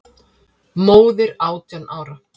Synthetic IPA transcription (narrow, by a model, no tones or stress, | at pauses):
moːwðɪɾaːwt̪janʔaːwɾa